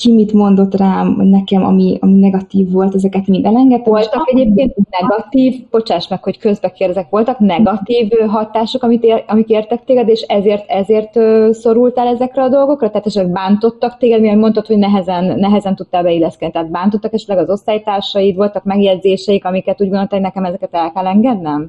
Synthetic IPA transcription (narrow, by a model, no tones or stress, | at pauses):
kimit̪mo̞nd̪o̞t̪raːmnɛkɛmɒ̰miɒminɛɡɒt̪iːvːo̞lt̪ɛzɛkɛt̪mid̪ɛlɛŋɡɛt̪ːolt̪kɛɟeːp̚keːnt̪unɛɡɒt̪iːvb̥o̞t͡ʃaːʃmɛkho̞ckø̞zbɛkerd̪ɛzɛkʋo̞lt̪ɒknɛɡɒt̪iːvɦɒt̪aːʃo̞kɒmit̪eɒmikeːrt̪ɛk̚t̪eːɡɛd̪eːʃɛzeːrt̪ɛzeːrt̪øso̞ɾult̪ɛlɛzɛkrɛɒd̪o̞lɡo̞krɒt̪ɛɦat̪ɛʃɛt̪lɛɡ̚baːnt̪o̞t̪ːɒkt̪eːɡɛd̪miɛɾmo̞nt̪ot̪ho̞ɟnɛɦɛzɛnːɛɦɛzɛnt̪ut̪ːaːlbɛilːɛskɛd̪nit̪ɛɦːd̪̚baːnt̪o̞t̪ːɒkɛʃɛt̪lɛɡɒzo̞st̪aːjt̪aːrʃɒjit̪ʋo̞lt̪ɒkmɛɡjɛdzeːʃɛjikɒmikɛt̪uɟɡonolt̪akhoɟnɛkɛmɛzɛkɛt̪ɛlkɛlɛŋɡɛd̪nɛm